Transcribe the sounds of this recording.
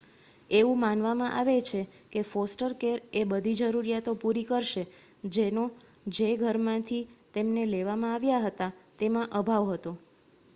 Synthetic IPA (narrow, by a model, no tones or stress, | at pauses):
eʋũmanʋamãʔa̰ʋet͡ʃʰe | kefosʈəɾkeɾebəd̪ʱid͡ʒəɾuɾijat̪opuɾikəɾʃe | d͡ʒeno | d͡ʒeɡʱəɾmãt̪ʰit̪emneleʋamãaʋjaɦət̪at̪emãʔəbʱaʋɦət̪o